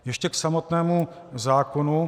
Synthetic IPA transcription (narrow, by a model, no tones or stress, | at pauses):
jɛʃcɛksamo̞t̪nɛːmu | zaːkonu